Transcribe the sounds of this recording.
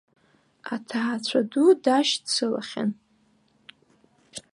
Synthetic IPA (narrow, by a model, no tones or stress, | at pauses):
atʰaːt͡ɕʷʰadudaʃdsʰɨla̰χʲa̰n